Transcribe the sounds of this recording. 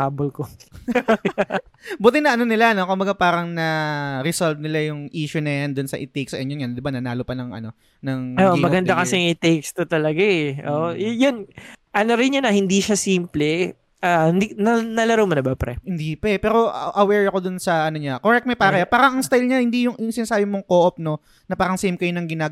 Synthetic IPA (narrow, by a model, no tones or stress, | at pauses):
haːbolko | buːt̪ɪnɐʔɐnonɪlano̞kʊmbɐɡapaːɾɐŋnɐɾɪsolvnɪlajʊŋʔiːʃʊnɐjand̪ʊnsɐʔɪt̪ejksɛnjʊnjand̪ɪbanɐnaːlopɐnɐŋʔɐ̰no̞ | nɐŋʔʔomɐɡɐnd̪akɐɛjŋɪt̪ejkst̪ot̪ɐlɐɡaʔɛʔo̰ʔjjonʔɐnoɾɪnːɐnɐhɪnd̪iʃasiːmplɛ | ʔaɪnd̪inɐnɐlɐɾɐwmɐnɐbɐpɾɛhɪnd̪ipɐɛpɛːɾo̞ʔʔɐwɛɹɐko̞d̪ʊnsɐʔɐnoɲakoɾɛk̚t̪̚mɛpaːɾɐɐpaːɾɐŋʔɐŋst̪ajlɲahɪnd̪ijʊŋʔɪŋsɪnɐsaːbɪmoŋkoːʔop̚no̞ | nɐpaːɾɐŋsejmkɐjonɐŋɡɪnaː